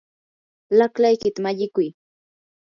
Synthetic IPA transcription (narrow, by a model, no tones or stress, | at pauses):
laklajkɪt̪amaʎɪkʊj